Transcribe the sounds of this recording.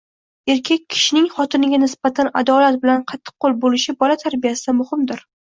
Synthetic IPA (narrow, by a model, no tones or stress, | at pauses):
e̞ɾkʲʰekʲʰːɪ̥ʃɪnɪŋχɒt̪ʰɪnɪɡʲanɪsb̥at̪ʰana̰d̪ɒlat̪̚bɪlanqʰɑt̪ʰːɨ̥qʰːolˠbolɪʃɪbɒlat̪ʰaɾbijasɪd̪amʊhɪmd̪ɪɾ